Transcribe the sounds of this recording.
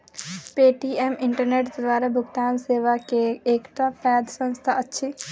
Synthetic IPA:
peːʈiːɛːmɪ̃ɳʈəɾneːʈd̪ʋaːɾabʱʊkt̪aːnseːʋakeːkʈapɛːd̪sə̃nst̪ʰaɐtːʃʰi

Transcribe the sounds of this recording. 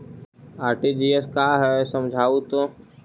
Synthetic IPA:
aːɾʈid͡ʒiːɛskaːɦɛsə̃md͡ʒʱaːut̪o

